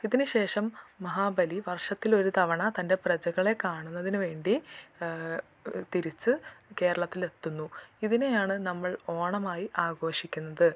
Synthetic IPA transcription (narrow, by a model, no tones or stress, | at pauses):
iðinɨɕe̞ːʂɐmːɐɦaːbɐliʋɐrʂɐt̪ːilo̞ɾut̪ɐʋɐɳɐt̪ɐnde̞prɐd͡ʑɐɣɐɭe̞kaːɳunːɐðinɨʋe̞ːɳɖi | t̪iɾit͡ɕːɨke̞ːɾɐɭɐt̪ːile̞t̪ːunːuiðine̞jaːɳɨnɐmːɐɭo̞ːɳɐmaːjiʔaːɡo̞ːʂikʲːunːɐðɨ